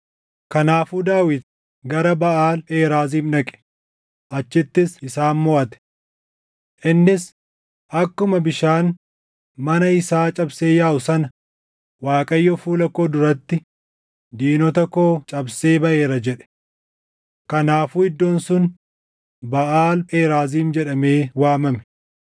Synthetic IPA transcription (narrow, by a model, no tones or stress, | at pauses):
kɐnaːfuːd̪aːwɪd̪ | ɡɐɾɐbɐʔaːleːɾaːziːmnɐkʼɛ̥ | ʔɐt͡ʃːɪt̪ːɪsɪsaːnmɔʔɐt̪ɛ̥ | ʔɪnːɪs | ʔɐkːʊmɐbɪʃaːn | mɐnɐɪsaːt͡ʃʼɐbseːjaːʔʊsɐnɐ | waːkʼɐjːɔfuːlɐkoːd̪ʊɾɐt̪ːɪ | d̪iːnɔt̪ɐkoːt͡ʃʼɐbse̞ːbɐʔe̞ːɾɐd͡ʒɛᶑɛ̥ | kɐnaːfuːɪd̪ːoːnsʊn | bɐʔaːleːɾaːziːmd͡ʒɛᶑɐme̞ːwaːmɐmɛ̥